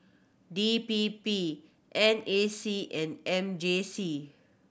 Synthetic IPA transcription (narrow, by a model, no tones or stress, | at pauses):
dipipi | ʔɛ̃nesiʔɛ̃nɛ̃md͡ʒesi